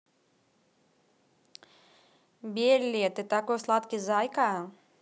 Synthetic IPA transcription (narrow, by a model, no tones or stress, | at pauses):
bʲiɛlʲːiɛt̪et̪akoːslˠat̪kʲizajkaː